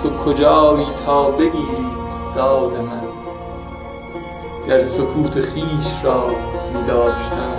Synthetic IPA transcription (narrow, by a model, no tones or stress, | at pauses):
kʰokʰod͡ʒɑːiːt̪ʰɒːbeɡiːɾiːd̪̥ɒːd̪emæn | ɡ̥æɾsokʰuːt̪ʰeχiːʃɾɒːmiːd̪ɒːʃt̪æn